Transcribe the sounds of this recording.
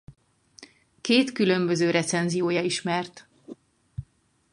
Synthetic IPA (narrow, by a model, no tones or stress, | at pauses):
keːt̪kylø̞mbøzøːɾɛt̪sɛnzijoːjɒiʃmɛrt̪